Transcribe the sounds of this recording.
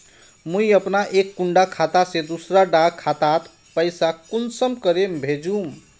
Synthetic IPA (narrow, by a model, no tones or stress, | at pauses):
mujəpnaʔekːuɳɖakʰat̪asẽd̪usɾaɖakʰat̪at̪ | pəjsakunsəmkəɾembʱed͡ʒum